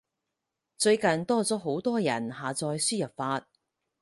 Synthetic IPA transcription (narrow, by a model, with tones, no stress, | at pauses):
t͡sɵ˧ɥkɐ˨nt̪ɔː˥t͡sɔː˨˥ɦo˨˥wt̪ɔː˥jɐ̰˨˩nhaː˨˩t͡sɔː˧jsyː˥jɐ˨˩p̚faː˧t̚